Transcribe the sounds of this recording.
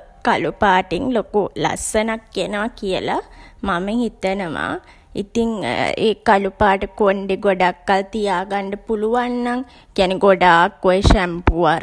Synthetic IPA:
kalupaːʈiŋlokula̰sənakːenəʋakijəlamaməhit̪ənəʋa̰ | ḭt̪iŋḛːkalupaːʈəkoɳɖeɡoɖakːalt̪ijaːɡaɳɖəpuluʋanːaŋ | kijaneɡoɖaːkːojəʃæmpuʋaɾ

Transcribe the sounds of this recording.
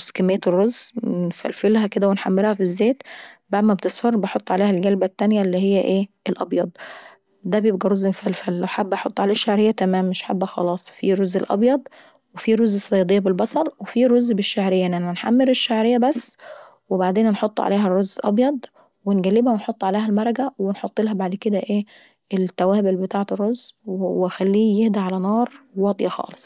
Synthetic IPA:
skæmeːt̪rːoznfæ̰lfelɦæked̪æwenħamːelhæfizːeːt̪baʕd̪mæbt̪esˤfɑɾˤbeħot̪ˤːʕaleːhælɡælbæt̪ːænjælːiːhejːæʔeːʔelʔɑbjɑd̪ˤ | d̪æbjeb̚ɡæɾˤozːenfælfælːæwħabːʔɑħot̪ˤːʕalæːʃːaʕɾejːæt̪æmæːmːeʃħabːæxɑ̰lɑːsˤfiɾozːelʔɑ̰bjɑd̪ˤ | wefiɾozːesˤːɑjɑd̪ejːɑbelbɑsˤɑlˤwefiɾozːbeʃːaʕɾejːæʔnænæænħa̰mːeɾeʃːaʕɾejːæbæsː | webaʕd̪eːnnħot̪ˤːʕa̰leːɦærːozːʔɑ̰bjɑd̪ˤ | wenɡælːebhæwenħot̪ˤːʕaleːhælmɑɾˤɑɡæwenħot̪ˤːelɦæbaʕd̪ked̪æʔeː | ʔelt̪ːæwæːbelbet̪aːʕet̪erːozwexælːiːjehd̪iʕalænɑːɾˤwɑd̪ˤjɑxɑ̰ːle̥sˤ

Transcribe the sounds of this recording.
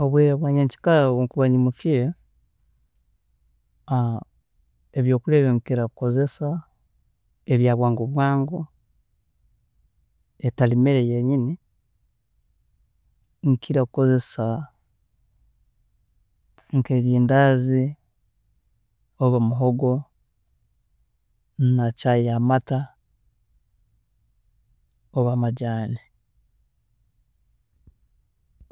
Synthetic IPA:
oβwiːɾaβwaːɲeɲci̥kalaβoŋkuβaɲimukiɾe | eβjo̞ːkuleβeŋkiɾakuko̞ze̞sa | eβjaːβwaːŋɡoβwaːŋɡo | etalimeɾejeɲini | ŋkiɾakuko̞ze̞sa | ŋkeɡiːndazi | oβamuɦoɡo̞ | nacajamata | oβamaɟaːni

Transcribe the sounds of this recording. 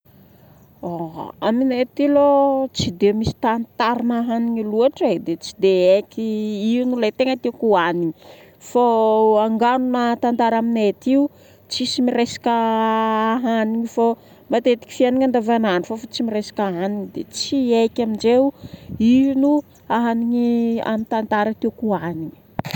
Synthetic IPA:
oaminet̪ilot͡sid̪emisi̥t̪ant̪aɾinaɦaniɲiluaʈ͡ʂed̪et͡si̥d̪eekʲiinulajt̪eŋət̪ekuaniɲi | foaŋɡanunat̪and̪aɾaminet̪iu | t͡sisimiɾesḁkʲə | aɦaniɲifo | mat̪et̪i̥kʲi̥fianiŋand̪avananifofat͡simiɾesḁkaɦaniɲid̪ḛt͡siejkʲamind͡ʒeinu | aɦaniɲia̰mint̪ant̪aɾət̪ekuaniɲi̥

